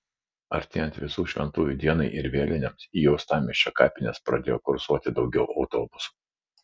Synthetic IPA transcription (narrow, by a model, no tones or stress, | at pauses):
ɐɾʲt̪ʲeːjɛnt̪ʲʋʲɪsuːʃʲʋʲɛ̰nt̪uːjʲuːd̪ʲiɛnɐɪʔɪɾʋʲeːlʲɪnʲɛmsiːjɛʊst̪ɑːmʲɪʃʲt͡ʃʲokɑːpʲɪnʲɛspɾɐd̪ʲeːjoːkʊɾsuɔt̪ʲɪd̪ɒʊɡʲɛʊʔɐʊt̪oːbʊsu̥ː